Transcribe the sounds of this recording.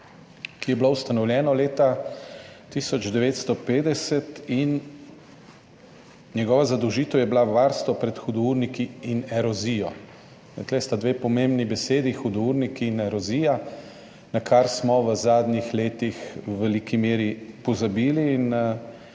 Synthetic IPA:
kijɛblowst̪anɔwlʲjɛːnɔleːt̪a | t̪isɔd͡ʒd̪ɛʋeːt̪st̪ɔpeːd̪ɛsɛt̪in | njɛɡɔːʋazad̪ɔwʒiːt̪ɛwjɛblaʋaɾst̪ʋɔpɾɛt̪xud̪ɔuɾnikiːnɛɾɔzijɔ | nɛ̰k̪lest̪ad̪ʋeːpɔmembnibɛseːd̪ixud̪ɔuɾnikiːnɛɾɔziːja | nakʰaɾsmɔʋəzaːd̪nixleːt̪ixwʋɛlikimeːɾipɔzabiːliːn

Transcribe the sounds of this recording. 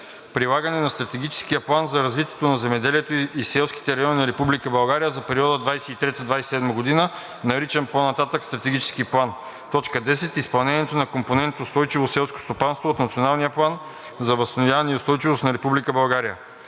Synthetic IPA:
pɾilˠaɡɐnɛnɐst̪ɾɐt̪ɛɡʲit͡ʃɛ̥skijəplˠanzɐɾɐzvit̪iɛ̥t̪onɐzɛmɛd̪ɛliɛt̪oisɛlˠski̥t̪ɛɾɐjɔninɐɾɛpublikəbɐlˠɡaɾijəzɐpɛɾiɔd̪əd̪vajsɛit̪ɾɛt̪əd̪vajsɛ̥sɛd̪məɡod̪inə | nɐɾit͡ʃɛnponɐt̪at̪əkst̪ɾɐt̪ɛɡʲit͡ʃɛ̥skiplˠan | t̪ɔt͡ʃkəd̪ɛsɛt̪ispɐlˠnɛniɛt̪onɐkomponɛnt̪ʊst̪ɔjt͡ʃivosɛlˠsko̥st̪opanst̪voːt̪nɐt̪sionalˠnijəplˠan | zɐvɐst̪ɐnovjavɐniʊst̪ɔjt͡ʃivosnɐɾɛpublikəbɐlˠɡaɾijə̰

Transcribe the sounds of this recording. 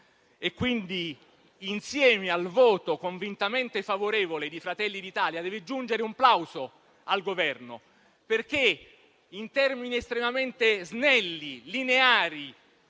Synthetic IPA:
ekːwind̪iː | nsjɛːmealvoːt̪okoɱvint̪ament̪efavoɾeːvoled̪ifɾat̪ɛlːid̪it̪aːljad̪ɛːved͡ʒund͡ʒeɾeumplawzo | alɡovɛrno̰ | perk̟e | int̪ɛrminiest̪ɾemament̪eznɛlːilineaːɾi

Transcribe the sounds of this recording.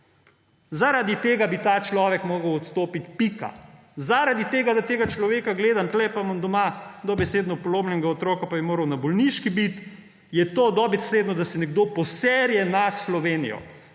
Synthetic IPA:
zaɾad̪it̪eːɡabit̪aːt͡ʃlɔːʋɛkmoːɡəwɔt̪st̪oːpit̪pika̰ | zaɾad̪it̪eːɡad̪at̪eːɡat͡ʃlɔʋeːkaɡleːd̪ant̪lɛpamənd̪ɔmad̪ɔbɛseːd̪nɔpɔloːbnɛŋɡaot̪ɾoːkapabimoːɾəwnabɔlniʃkibit̪ | jɛt̪oːd̪ɔbɛsleːd̪nɔd̪asɛnɛɡ̚d̪opɔsɛɾjɛnaslɔʋeːnijɔ̰

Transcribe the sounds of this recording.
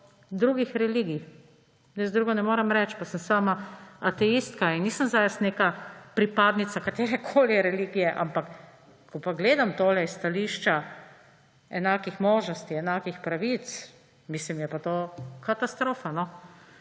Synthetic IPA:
d̪ɾuːɡixɾɛliɡi | jɛsd̪ɾuːɡɔnɛmoːɾɛmɾɛt͡ʃpasəmsaːmaat̪ɛist̪kainniːsəmzajɛsneːkapɾipaːd̪nit̪sakat̪eːɾɛkʰoːliɾɛliːɡijɛʔa̰mpak | kʰɔpaɡleːd̪amt̪oːlɛisːt̪aliːʃt͡ʃa | ɛnaːkixmoːʒnɔst̪iɛnaːkixpɾaʋit̪s | mislimjɛpat̪oːkat̪ast̪ɾoːfanɔ

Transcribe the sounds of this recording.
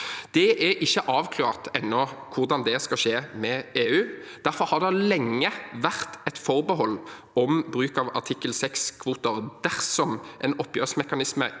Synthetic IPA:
d̪̥ɛʔæʔɪçːəʔɑːʋkʰlɑːʁt̪ɛnːɔkʰʊʁd̪ɑnd̪ɛskɑʃeːmɛeːʉːd̪̥æʁfɔɾhɑʁd̪ɛlɛŋːəʋæʁt̪ɛt̪fɔʁbəɦɔlː | ɔmbʁʉːkɑʋɑ̰ʈ̪ʰɪkːəlsɛkskʰʋuːt̪əʁd̪̥æʁsɔmʔɛnɔpːjøːʁsmɛkɑnɪsmə̰

